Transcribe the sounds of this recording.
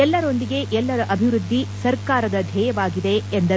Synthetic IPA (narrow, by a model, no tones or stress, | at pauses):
ɛlːɐɾo̞nd̪iɡe̞ʔɛlːɐɾɐʔɐbʱiʋɾud̪ʱːisɐɾkaːɾɐd̪ɐd̪ʱɛːjɐʋaːɡid̪e̞ːnd̪ɐ